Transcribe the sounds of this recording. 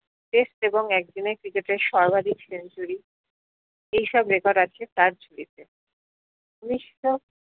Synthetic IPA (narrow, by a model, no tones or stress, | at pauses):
ʈesʈeboŋɛk̚d̪inekɾikeʈeɾʃɔɾbʱad̪ʱiksent͡ɕuɾi | ejʃɔbɾekɔɖat͡ɕʰet̪aɾt͡ɕʰuɽit̪e | uniʃʈo